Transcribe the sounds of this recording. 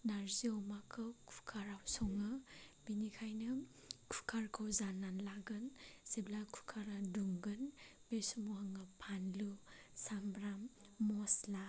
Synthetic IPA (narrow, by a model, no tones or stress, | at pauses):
naɾziomakʰɯkʰukʰaɾawsɔŋɯbinikʰajnɯ | kʰu̥kʰaɾkʰɯwzanːanlaɡɯnseblakʰu̥kʰaɾaduŋɡɯnbesumuhaŋɯpʰanlusambɾamːɔsla